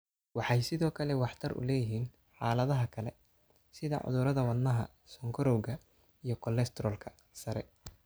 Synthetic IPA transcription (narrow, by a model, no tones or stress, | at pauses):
wɑħɑjsɪðɔːkʰɐlɛwɑħt̪ʰɐrʊ̰lɛːjɪɦiːn | ħɑːlɐðɐɦɐkʰɐlɛ | sɪðɐ̰ʕʊ̰ðʊɾɐðɐwɐd̪nːɐɦɐ̰ | sɔŋkʰɔɾɔwɣɐ | ijɞkʰɔlɛst̪ʰɛɾɔːlkʰɐ | sɐɾɛ